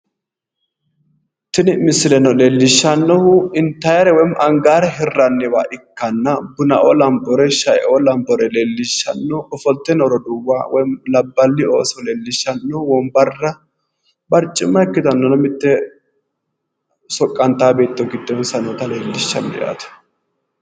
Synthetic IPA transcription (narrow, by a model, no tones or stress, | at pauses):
t̪ɪnɪmɪsːɪlɛnɔleːlːɪʃːɐnːɔhʊɪnt̪ːɐjɐɾɛwɔjmʔɐŋɡaːɾɛɦɪrːɐnːɪwaːʔɪkːɐnːɐbʊnɐʔɔlɐmbɔɾɛʃɐjʔɔlɐmbɔɾɛleːlːɪʃːɐ̰nːɔɔfɔlt̪ːɛnɔɾɔd̪ʊwːaːwɔjmlɐbːɐlːɪo̰ːsɔleːlːɪʃːɐnːɔwɔmbɐrːɐ | bɐɾt͡ʃʼːɪmːɐɛkːɪt̪ɐnːɔnɐmɪt̪ːɛ | sɔkʼːɐnt̪aːbe̞ːt̪ːɔɡɪd̪ːɔnsɐnɔt̪ɐleːlːɪʃːɐ̰nːɛ̰ʔa̰ːt̪ɐ̥